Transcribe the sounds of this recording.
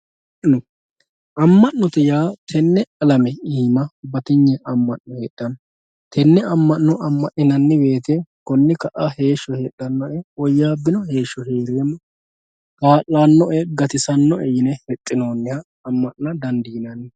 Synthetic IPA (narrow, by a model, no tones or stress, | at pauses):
nɔ | ʔɐmːɐʔːɔt̪ɛjaːt̪ʰɛnːɛɐlɐmɛiːmɐbɐt̪ɪɲːɛʔɐmːɐʔːɔheːᶑːɐn | t̪ʰɛnːɛɐmːɐnːɔʔɐmːɐʔɪnɐnːɪbe̞ːt̪ɛkɔnːɪkɐʔɐhe̞ːʃːɔheːɗːɐnːɔʔɛɔjːaːbːɪnɔhe̞ːʃːɔɦe̞ːɾeːmːɔ | kaːʔːanːɔʔɛɡɐt̪ɪsɐnːɔɛjɪnɛhɛt̪ʼːɪno̞ːnːɪhɐːmːɐʔnɐd̪ɐnd̪iːnɐnːɪ